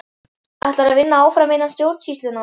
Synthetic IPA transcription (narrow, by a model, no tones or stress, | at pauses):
aht̪laɾavɪnːaaːwfɾameːjnanst̪jowɾt̪sist̪lʏna